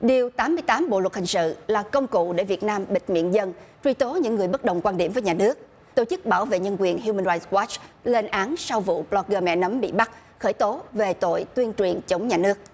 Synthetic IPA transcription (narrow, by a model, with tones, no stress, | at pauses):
ɗi˨˩əwt̪aː˨˦mːɨ˧əjt̪aː˨˦mɓo̰˧˨lwə˩t̚hï˨˩ŋ̟sɨ̰˧˨laː˨˩kə˧wŋ͡mkṵ˧˨ɗḛ˧˩vi˨˩ət̚naː˧mɓï˨˩ŋ̟mḭ˧˨ənzə˧nt͡ɕwi˧t̪o˨˦ɲɨ̰˧˥ŋːɨ˨˩əjɓə˦˥t̚ɗə̰˨˩wŋ͡mkwaː˧nɗi˧˩mvəː˨˦jɲaː˨˩nɨ˦˥ək̚ | t̪o˧˩t͡ɕɨ˦˥k̚ɓaː˧˩wvḛ˧˨ɲə˧nkwi˨˩ənɦju˧mə˧nɾaː˧jtwɔ˦˥t͡ɕle˧nʔaː˨˦nsa˧wvṵ˧˨ɓlɔ˦˥k̚ɣəː˧mɛ̰˧˨nə˨˦mɓḭ˧˨ɓa˦˥k̚ | xəː˧˩jt̪o˨˦ve˨˩t̪o̰˧˨jt̪wi˧ənt͡ɕwi˨˩ənt͡ɕə˨˦wŋ͡mɲaː˨˩nɨ˦˥ək̚